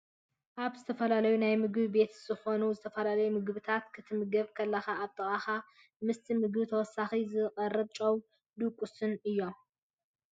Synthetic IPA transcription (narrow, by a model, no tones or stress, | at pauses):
ʔaβzɨt̪ʰɐfɐlalɐjunajmɨɡɨβbe̞t̪z̥ɨxo̞nuzɨt̪ʰɐfɐlalɐjumɨɡβɨt̪ʰat̪kʰɨt̪ʰɨmɨɡɐβkʰɐlːɐxaːβt̪ʼɨxʼaxa | mɨst̪ʰimɨɡɨβɨt̪ʰɐwɔsːaxizɨqʼɐrːɨβt͡ʃʼɐw | d̪ukʷʼusɨnɨjːo̞m